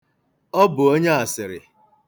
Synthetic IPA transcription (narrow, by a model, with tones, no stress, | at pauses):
ɔ˦bʊ˨o˦ɲe˦a˨sɪ˨ɾɪ̰˨